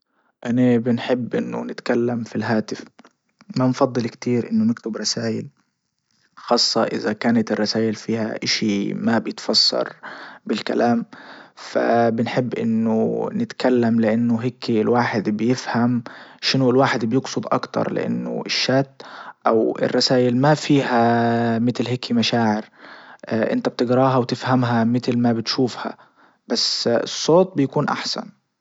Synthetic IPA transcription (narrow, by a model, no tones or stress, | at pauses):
ʔanabɪnħɪbːʔɪnːʊ̰nɪt̪kalːamfilɦaːt̪ɪf | manfɑd̪ˤːɨlkt̪iːɾʔɪnːʊnɪkt̪ɪbɾˤɑsaːjɪl | xɑːsˤːɑʔɪzakaːnat̪ɪrˤːɑsaːjɪlfiːha̰ʔɪʃimabjɪt̪fɑsːɑ̰ɾˤbɪlka̰laːmfa̰bɪnħɪbːʔɪnːʊ̰nɪt̪kalːamlɪʔanːʊɦɪkːilwaːħɪd̪bɪjɪfhamʃɪnʊɪlwaːħɪd̪bjɪɡsˤʊd̪ˤʔɑ̰kt̪ɑ̰ɾˤlɪ̰ʔa̰nːʊ̰ɪʃːaːt̪ːʔawɪ̰rˤːɑsaːjɪlmafiːhamɪt̪lɦɪkʰːimaʃaːʕɪɾ | ʔɪ̰nt̪ab̚t̪ɪɡɾˤɑːɦawt̪ɪfhamɦamɪt̪lmabɪt̪ʃuːfha̰ | b̥asːɨ̰sˤːoːt̪̚ˤbɪjakuːnʔa̰ħsa̰n